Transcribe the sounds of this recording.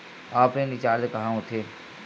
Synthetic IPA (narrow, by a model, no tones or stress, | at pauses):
aːpẽːnɪt͡ʃaːɾd̪ekɐɦãːʊt̪ʰeː